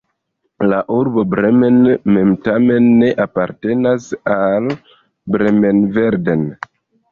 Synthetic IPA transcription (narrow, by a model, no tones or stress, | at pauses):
laʔuɾbo̞bɾeme̞nme̞mtame̞nːe̞ʔapaɾte̞nasal | bɾemenve̞ɾden